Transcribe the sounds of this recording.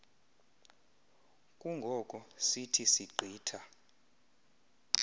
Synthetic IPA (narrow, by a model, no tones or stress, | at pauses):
kʼuŋɡʱɔkʼɔsitʰisiǃʱiːtʰa